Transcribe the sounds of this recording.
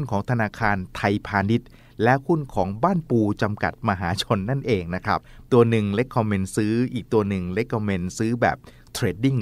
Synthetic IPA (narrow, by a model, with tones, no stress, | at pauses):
nkʰɔː˩˦ŋt̪ʰa˧naː˧kʰaː˧nt̪ʰa˧jpʰaː˧ni˦˥t̪̚ | lɛ˦˥ʔhu˥˩nkʰɔː˩˦ŋbaː˥˩npuː˧t͡ɕa˧mka̰˨˩t̪̚ma˧ɦaː˩˦t͡ɕʰo˧nːa˥˩nʔeː˧ŋna˦˥kʰɾa˦˥p̚t̪u˧ɐnɯ˨˩ŋle˦˥kʰːɔː˧me˧nsɯː˦˥ʔiː˨˩k̚t̪u˧ɐnɯ˨˩ŋle˦˥kʰːɔː˧me˧nsɯː˦˥bɛ̰ː˨˩p̚ | t̪ʰɾeː˦˩t̚di˥˩ŋ